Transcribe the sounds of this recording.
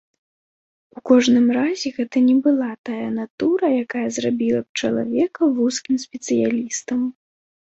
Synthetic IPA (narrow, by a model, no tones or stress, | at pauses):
ukɔʐnɨmrazʲɛɣɛt̪ɐnʲɛbɨlˠat̪ajɐnat̪uɾɐjakajɐzrabʲilˠɐp̚t͡ʂɐlˠa̰vʲɛkɐruskʲimsʲpʲɛt̪sɨjalʲist̪ɐm